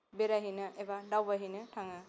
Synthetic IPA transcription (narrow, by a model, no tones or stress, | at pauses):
beɾaɦijnɯʔebadawbaɦinɯtʰaŋɯ